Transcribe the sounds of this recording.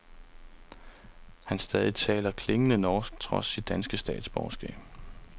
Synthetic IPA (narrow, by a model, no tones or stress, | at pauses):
hænsd̥ɛːð̞ˠit͡sʰɛ̰ːlɐkʰle̝ŋənənɒːsɡ̥̚t͡sʰʁɒ̽sːid̥̚ːænsɡ̥əsd̥ɛ̰ːd̥sb̥ɒʊsɡ̥ɛ̰ːb̥